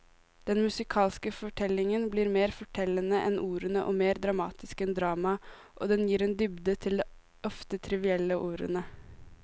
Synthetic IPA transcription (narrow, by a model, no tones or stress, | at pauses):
d̪̥ɛnmʉsɪkʰɑːlskəfɔʈʰɛlɪŋənbliːɾmeːɾfɔʈʰɛlənəʔɛnʔuːɾənəʔɔːmeːɾd̪ɾɑmɑ̰ːt̪ɪskɛnd̪ɾɑːmɑ | ʔo̰d̪ɛnjiːɾɛnd̪ʏbd̪ət̪ʰɪld̪ɛː | ʔɔft̪ət̪ʰɾɪʋɪɛlːəʔuːɾə̰nə